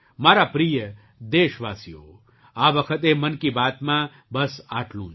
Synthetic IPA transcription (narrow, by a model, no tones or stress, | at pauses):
maːɾapɾijə | d̪eːʃʋaːsijo̰ː | aːʋɐkʰət̪emɐnkibaːt̪mãː | bɐsaːʈʰlṵ̃ː